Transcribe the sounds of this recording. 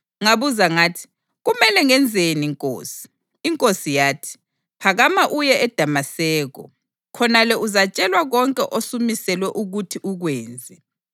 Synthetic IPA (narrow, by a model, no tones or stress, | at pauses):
ŋaβuzaŋaːtʰi̥ | ɣumɛlɛŋɛnd͡zʱeniŋkʼo̰ːsi̥ː | ŋkʼosijaːtʰi̥ | pʰaɣamaʔujɛʔɛd̥ʱamasɛːɣɔ̰ | kʰɔnalɛʔuzat͡ʃʼɛlwaɣɔŋkʼɛʔosumisɛlwɛʔuɣutʰiʔuɣweːnd͡zʱɛ